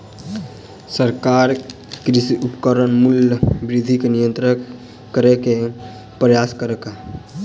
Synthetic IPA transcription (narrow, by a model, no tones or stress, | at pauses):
səɾkaːɾ | kɾɪsiʔʊpkəɾənmʊljəbɾɪd̪ʱikenijə̃nt̪ɾə | kəɾeke | pɾəjaːskəɾeka